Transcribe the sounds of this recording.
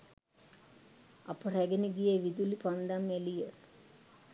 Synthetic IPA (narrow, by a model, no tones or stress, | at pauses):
ɐpːɐreɡɐniɡijeʋid̪ulipɐnd̪amelije